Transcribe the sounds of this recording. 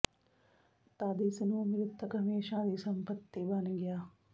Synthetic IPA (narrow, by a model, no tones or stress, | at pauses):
t̪aːd̪iːsɐnuːmiɾut̪ʰːɐkɐmeːʃaːd̪iːsɐmpɐt̪ːibaːnɐɡijaː